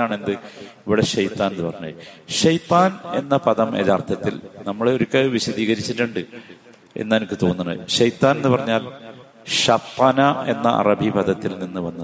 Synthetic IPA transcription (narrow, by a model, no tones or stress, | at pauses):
aːɳe̞nd̪ɨiʋiɽeɕɐjt̪ːaːnenːɨpɐrɐɲːuɐɕɐjt̪ːaːne̞nːɐpɐðɐmḛðaːrt̪ʰɐt̪ːilnɐmːɐɭoɾukːeʋiɕɐðiːɣɐɾit͡ɕːiʈːuɳɖɨ | e̞̰nːaːnokːɨt̪o̞ːnːunːɐ̰ɨ̰ɕɐjt̪ːaːne̞nːɨpɐrɐɲːaːl | ɕɐt̪ːanɐe̞nːɐ̰ʔɐ̰rɐbʱipɐðɐt̪ːilninːɨʋɐnːɐ